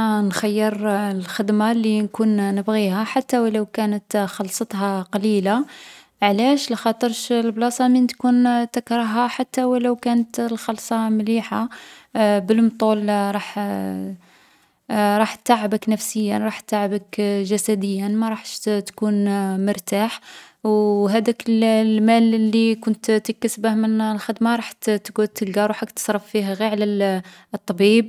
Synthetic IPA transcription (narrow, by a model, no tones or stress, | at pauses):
nxæjːəɾlxəd̪malːinkunnəbɣihæħat̪ːæwləwkænət̪xɑlsˤɑt̪ˤhɑqɑlila | ʕlæʃlxɑt̪ˤəɾʃlblɑsˤɑmint̪kunt̪əkɾəɦaħat̪ːawælæwkænət̪lxɑlsˤɑmliħa | bəlmt̪ˤulɾˤɑħ | ɾˤɑħtt̪ːaʕəbəknæfsəjːanɾˤɑħtt̪ːaʕəbəkʒæsæd̪əjːanmaɾˤɑħʃt̪kunmʊɾˤt̪aħ | wɦæd̪ækəllmællːikʊnt̪t̪əkːæsbahmənlxəd̪maɾˤɑħt̪t̪kut̪ːəlɡɑɾˤuħakt̪ə̥sˤɾˤɑfːiɦæɣiʕləl | t̪ˤːɑbib̚